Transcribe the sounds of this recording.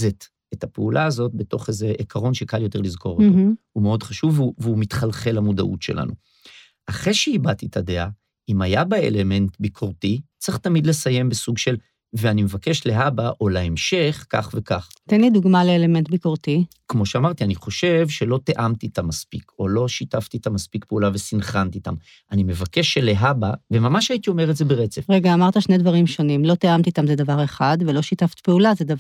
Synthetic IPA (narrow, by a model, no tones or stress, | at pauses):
zet | etapeulʔaːzo̞t̚be̞to̞χezeʔekʰaʁo̞nʃekaljo̞te̞ʁlizko̞ʁotohumeo̞dχaʃuvuveumitχalχe̞lamuda̰ʔutʃe̞lʔa̰nu | ʔaχeʃeibatitʰadea | imajabaḛle̞me̞ntbikʰoʁtit͡seχtamidle̞saje̞mbesuɡʃe̞l | veanimevake̞ʃle̞abaʔo̞leemʃe̞χka̰χve̞kaχt̪enliduɡmaleːle̞me̞ntbiko̞ʁt̪ikmo̞ʃeamaʁt̪ianiχo̞ʃe̞vʃe̞lo̞t̪eʔamt̪iːt̪amːaspikʰo̞lo̞ʃitaft̪iːt̪amaspikpe̞ulave̞sinχant̪it̪a̰m | ʔanime̞vake̞ʃeleɦabavemamaʃait̪io̞me̞ʁetzebeʁet͡sefʁeɡaːmaʁt̪aʃnedvaʁimʃo̞nimlo̞t̪eamt̪it̪amzed̪avaʁe̞χadvelo̞ʃitaft̪i̥peulazedav